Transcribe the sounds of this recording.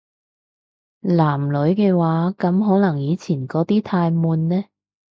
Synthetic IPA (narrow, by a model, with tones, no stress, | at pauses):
laː˨˩mlɵ˨˧˥ɥkɛː˧waː˨˥kɐ˨˧˥mɦɔː˨˥nɐ˨˩ŋjiː˨˧t͡sʰiː˨˩nkɔː˨˥t̪iː˥t̪ʰaː˧jmuː˨˧nːɛː˥